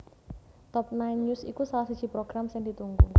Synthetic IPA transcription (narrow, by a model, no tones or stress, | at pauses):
t̪ɔp̚najnɲusḭkusalahsud̥ʒ̥i̤pɾoɡ̥ɾamsɪŋd̪it̪uŋɡu